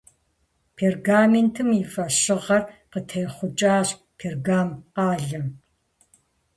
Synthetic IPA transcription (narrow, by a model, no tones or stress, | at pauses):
pʰerɡaːmentʰɨmifɐɕɪʁɐrqətʰɐjχʷʊt͡ʃʼaːɕ | pʰerɡaːmqaːɮɐm